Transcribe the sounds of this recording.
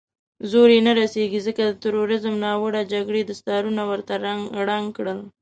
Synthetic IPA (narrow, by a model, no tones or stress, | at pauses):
zoɾenaɾaseɡizəkad̪ət̪əɾoɾɪzəmnɑwəɽad͡ʒaɡɽed̪əst̪ɑɾunawəɾt̪aɾɽaŋɡkɽəl